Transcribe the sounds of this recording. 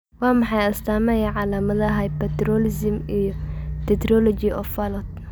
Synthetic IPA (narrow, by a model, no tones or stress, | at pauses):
wɑːmɑħɑjɐst̪ʰaːmɛjɐʕɑlaːmɐðɐɦɐjpɛt̪ɾɔlɪsmijɔt̪ʰɛt̪rɔlɔt͡ʃɪʔɔfɐlɔt̪̚